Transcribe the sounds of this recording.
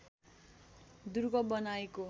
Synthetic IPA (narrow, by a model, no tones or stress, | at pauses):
d̪urɡʌbʌnaeko